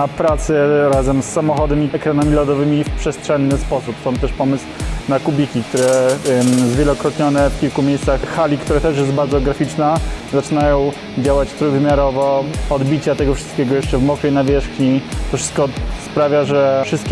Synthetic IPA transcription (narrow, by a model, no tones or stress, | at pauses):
pɾat̪sɛɾazɛmsːamɔxɔd̪ɛmiɛkɾanamʲilɔd̪ɔvɘmʲifpʂɛstʂɛnːɘspɔsupsɔ̃mt̪t̪ɛʂpɔmɘswnakubʲikʲik̚t̪uɾɛ | zvʲjɛlɔkɾɔt̪ɲɔnɛfkʲilkumʲejssaxːalʲikt̪uɾat̪ɛʂjɛsd̪̚baɾd̪zɔɡɾafʲit͡ʂnazat͡ʂɘnajɔ̃w̃ | d͡ʑawat͡ɕt̪ɾujvmʲjaɾɔvɔɔd̪bʲit͡ɕat̪ɛɡɔfʂɘ̥st̪kʲɛɡɔjɛʂt͡ʂɛvmɔkɛjnavʲjɛʂxɲit̪ɔfʂɘ̥st̪̚kɔspɾavʲjaʐɛfʂɘst̪̚kʲ